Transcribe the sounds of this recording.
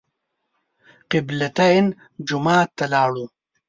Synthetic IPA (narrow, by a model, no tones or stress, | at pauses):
qɪblat̪an | d͡ʒʊmɑːt̪ːalɑːɽu